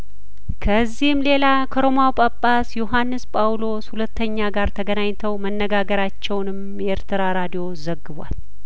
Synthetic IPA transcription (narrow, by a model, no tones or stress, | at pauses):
kʰəzːihɨmle̞lakʰəɾo̞mawpʼəpʼːasjoɦanːɨspʼawlo̞shulət̪ːəɲːaɡaɾt̪ʰəɡənaɲt̪ʰəwmənːəɡaɡəɾat͡ʃːɛwnɨm | jeɾt̪ʰɨɾaɾad̪ijo̞zəɡːɨβwa̰l